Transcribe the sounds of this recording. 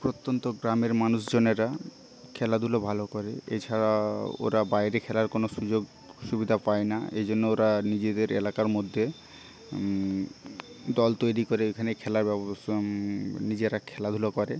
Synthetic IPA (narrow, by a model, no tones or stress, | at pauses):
pɾot̪ːont̪oɡɾameɾmanusd͡ʑoneɾa | kʰɛlad̪ʱulobʱalokɔɾeḛt͡ɕʰaɽao̰ɾabajɾekʰɛlaɾkonoʃud͡ʑoɡ | ʃubid̪ʱapaenaḛd͡ʑonːooɾanid͡ʑed̪eɾḛlakaɾmod̪ʱːe | d̪ɔlt̪ojɾikoɾeekʰanekʰɛlaɾbɛ | nid͡ʑeɾakʰɛlad̪ʱulokɔɾe